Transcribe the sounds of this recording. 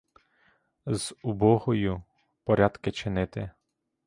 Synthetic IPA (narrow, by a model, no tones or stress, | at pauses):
z̥ʊbɔɦɔjʊ | pɔɾʲɑd̪kɪt͡ʃɪnɪt̪ɪ